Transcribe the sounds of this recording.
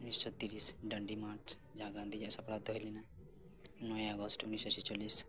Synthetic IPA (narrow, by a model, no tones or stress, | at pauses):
ʊnːisɔt̪iɾiːsɖəɳɖimaːɾt͡ʃ | d͡ʒãːɡãːnd̪id͡ʒɛsapɾat̪ɦojlina | nɔẽəɡɔsʈʊnːiːsɔsit͡ʃoliːs